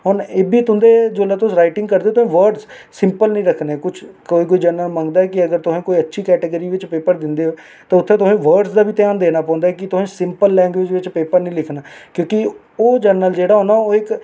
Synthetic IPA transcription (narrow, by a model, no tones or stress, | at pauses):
ɦoːneːbiːt̪ʊɦʊ̃nd̪eːd͡ʒoːlaːt̪ʊsɾaːɪʈɪŋɡkəɾd̪eːot̪ʊsẽːʋəɾɖz | sɪmpəlnəĩːɾəkʰnɛːkʊt͡ʃʰkoːiːk̬oːiːd͡ʒəɾnəlmə̃ŋɡd̪aːɛːkɪəɡəɾt̪ʊsẽːkoːiːətːʃʰiːkɛːʈeɡəɾiːʋɪt͡ʃpeːpəɾd̪ɪnd̪eːɦo | t̪ãːʊt̪ʰːẽːt̪ʊsẽːʋəɾɖsd̪aːbiːt̪ɪjaːnd̪eːnaːpɔ̃ːnd̪aɦɛkɪt̪ʊsẽːsɪmpəlːɛ̃ːŋɡʋeːd͡ʒʋɪt͡ʃpeːpəɾnəĩːlɪkʰnaːkjõːkɪ | oːd͡ʒəɾnəld͡ʒeːɽaːɦoːnaːoːɪk